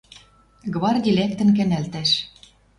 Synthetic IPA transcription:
ɡβɑrd̪ʲilek̚t̪ə̆nkæ̆nælt̪æʃ

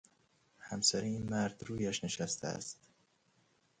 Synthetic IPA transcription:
hæmsæɾiiːnmæɾd̪ɾuːjæʃne̞ʃæst̪ʰæ̰æ̰st̪

